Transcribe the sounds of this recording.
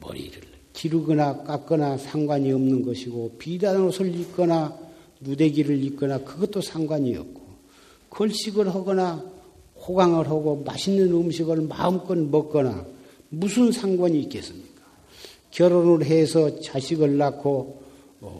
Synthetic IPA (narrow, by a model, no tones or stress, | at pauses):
mʌ̰ɾḭɾɯɭ | t͡ɕiɾuɡɯnak͈ak͈ʌnasʰaŋɡwaɲiʌmnɯnɡʌɕʰiɡopidanɾosʰɯɭik͈ʌna | nude̞ɡiɾɯɭik͈ʌnakɯɡʌt͈osʰaŋɡwaɲiʌ̰p̚k͈o | kʌɭɕ͈iɡɯɭɦaɡʌna | hoɡaŋɯɭɦaɡoma̰ɕʰinːɯnɯmɕ̬ʰiɡɯɭma̰ɯmk͈ʌnmʌk͈̚ʌna̰ | musʰɯnsʰaŋɡwaɲiːk͈e̞s͈ɯmɲikḁ | kjʌɾonɯɾɦesʰʌt͡ɕaɕʰiɡɯɭːakʰo | ʌ̰